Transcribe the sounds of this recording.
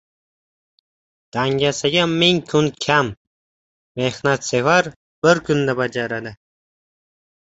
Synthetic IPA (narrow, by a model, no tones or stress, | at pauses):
d̪̥aŋɡʲasaɡʲamːɪŋkʰʊnkʲʰamː | ehnat̪sevaɾ | b̥ɪɾkʰʊnd̪abad͡ʒaɾad̪ɪ